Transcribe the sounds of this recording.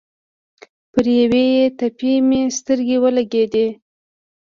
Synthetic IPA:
pəɾjawejet̪apimest̪əɾɡewəlaɡed̪e

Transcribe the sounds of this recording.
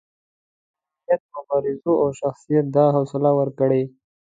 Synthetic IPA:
ijat̪̚mʊbɑɾɪzoʔawʃaxsijat̪̚d̪ɑɦʊsɪlawəɾkəɽe

